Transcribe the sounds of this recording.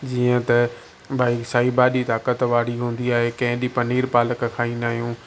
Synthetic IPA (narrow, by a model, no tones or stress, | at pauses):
d͡ʑiːə̃t̪ɐ | baːisaːɦibaːɗit̪aːkət̪ʋaːɽiɦũːn̆d̪iaːɦekɐ̃ɦɪ̃ɗipɐniːɾpaːləkkʰaːĩːnaːɦijũː